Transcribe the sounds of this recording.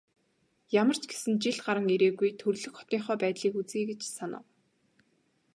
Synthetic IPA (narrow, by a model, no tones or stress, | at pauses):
jamə̆r̥t͡ɕɡe̥sɘ̆nt͡ɕiɮɢaɾə̆ŋeɾeːɣujt̪ʰɵrɮɵ̆xχɔ̥t̪iːŋχɔːpæːt̪ɮiːkut͡siːɡet͡ɕsanə̰̆w